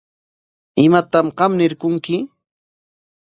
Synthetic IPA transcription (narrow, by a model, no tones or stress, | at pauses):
ɪmat̪amɢɑmnɪɾkʊŋkɪ